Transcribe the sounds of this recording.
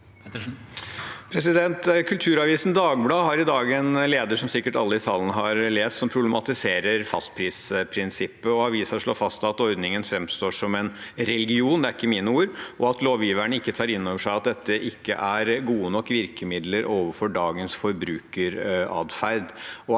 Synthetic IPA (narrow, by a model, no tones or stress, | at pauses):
pʰɾɛs̬ɪd̪ɛnt̪kʰʉlt̪ʰʉːɾɑʋiːsn̩d̪ɑːɡblɑːhɑɾɪd̪ɑːɡɛnleːd̪əʂɔmsɪkːəʈɑlːəɪsɑːlənəɦɑɾleːst̪sɔmpʰɾʊblɛmɑt̪ɪseːɾəɾfɑst̪̚pʰɾiːspʰɾɪnsɪpːəɔɑʋiːsɑʂɭoːfɑst̪ɑt̪ɔʏd̪nɪŋənfɾɛmst̪oːʂɔmɛnɾɛlɡɪuːnd̪ɛæɾɪkːəmiːnəuːɾʔɔɑt̪loːʋjiːʋæɳəɪkːət̪ʰɑːɾɪnːoːʋəʂæɪɑt̪̚d̪ɛt̪ːəʔɪkːə̰ʔæɾɡuːənɔkːʋɪɾkəmɪd̪ləɾʔoːʋəfɔɖɑːɡənsfɔɾbɾʉːkəɾɑ̰ːd̪fæɾd̪ɔ